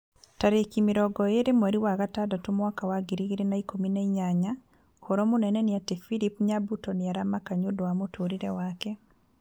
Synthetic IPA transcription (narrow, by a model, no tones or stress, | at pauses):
taɾekimiɾɔɡɔeɾemwɛɾiwaɣatadɔtumwakawaɡiɾiɡiɾenaikomineiɲaɲa | koɾomʊnɛnɛnɪatefilipɲabutɔnɪaɾamakaɲodwamotʰoɾiɾɛwakɛ